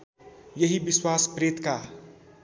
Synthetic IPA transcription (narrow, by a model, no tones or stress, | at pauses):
jʌɦibiswaspɾet̪ka